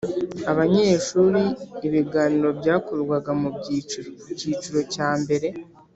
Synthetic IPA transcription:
aβaɲeːʃuːɾiːβiɡaniɾo̞bjaːkuɾɡwaɡamu | ciːt͡ʃuɾo̞caːmbe̞ɾe̞

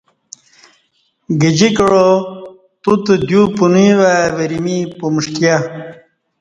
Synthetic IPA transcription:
ɡid͡ʑikəɻo | t̪ut̪əd̪jupunuiwaʋeɾimipumuʂkja

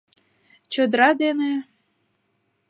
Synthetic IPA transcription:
t͡ɕə̆d̪ɾɑd̪ene

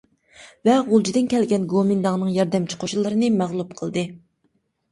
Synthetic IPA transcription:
vɛʁolˠd͡ʒid̪ɨnkʲʰɛlɡʲɛnɡomɨnd̪ɑŋnɨŋjɑɾd̪ɛmt͡ʃʰi̥qʰoʃulˠɨɾɨnɨmæʁlˠupqʰəlˠd̪ɨ

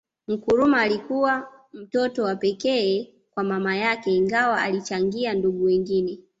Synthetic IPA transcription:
m̩kuɾumaːlikuwam̩tɔtɔwapɛkɛː | kwamamajakɛiŋɡawaalit͡ʃaŋɡianduɡuwɛŋɡinɛ

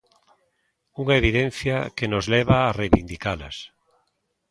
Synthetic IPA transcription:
uŋaeβiðen̟θjakenozlɛβaːrejβind̪ikala̰s

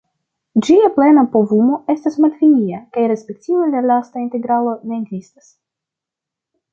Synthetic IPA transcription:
d͡ʒiaple̞napovumo̞e̞stasmaltfiniakajɾe̞spe̞k̚tivalalastainte̞ɡɾalo̞ne̞ːɡzistas

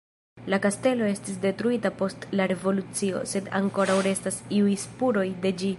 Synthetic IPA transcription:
lakaste̞lo̞e̞stisde̞tɾuitapo̞stlaɾe̞vo̞lut͡sio̞̰se̞da̰ŋko̞ɾawɾe̞stasiujspuɾo̞jde̞d͡ʒi

